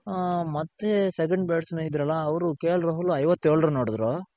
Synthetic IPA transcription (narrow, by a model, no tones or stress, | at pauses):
mɐt̪ːesek̬ɐɳɖbeːʈsmeid̪ːɾɐlːɐːʋɐɾukeːlɾɐɦuluɐjʋɐt̪ːeːɭɾɐnoːɽd̪ɾoː